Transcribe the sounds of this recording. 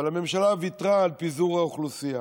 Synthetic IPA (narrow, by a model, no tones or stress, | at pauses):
alame̞mʃalaːvit̪ʁaːlpizuʁaoχlusija